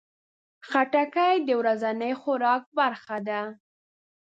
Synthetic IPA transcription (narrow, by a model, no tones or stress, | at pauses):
xaʈakajd̪əwɾazanəjxʊɾɑk̚baɾxad̪a